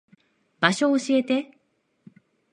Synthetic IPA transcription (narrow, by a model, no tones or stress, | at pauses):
baɕo̞ːɕie̞t̪e̞